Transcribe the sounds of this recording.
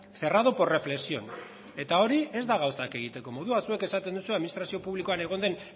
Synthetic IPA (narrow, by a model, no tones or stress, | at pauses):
se̞raðopo̞re̞fle̞ksio̞n | e̞t̪ao̞ɾie̞zd̪aɣ̞awsake̞ɣ̞it̪e̞ko̞mo̞ðuasue̞ke̞sat̪e̞nd̪usueaðminist̪ɾasio̞puβliko̞ane̞ɣo̞nd̪e̞n